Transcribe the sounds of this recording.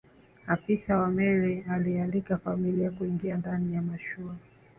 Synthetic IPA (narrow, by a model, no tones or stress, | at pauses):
afisawamɛɾɛalialikafamiliakuiŋɡiandanijamaʃua